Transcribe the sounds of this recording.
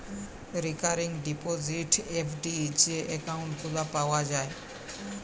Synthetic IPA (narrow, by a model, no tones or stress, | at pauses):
ɾikaɾiŋɖipoziʈepʰɖieʔɛkawɳʈɡulapaoad͡ʑae